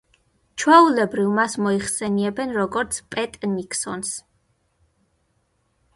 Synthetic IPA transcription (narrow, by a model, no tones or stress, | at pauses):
t͡ʃʰwɛulɛbɾivmasmɔiχsɛniɛbɛnɾɔɡɔɾt̪sʰpʼɛt̪ʼnikʰsɔns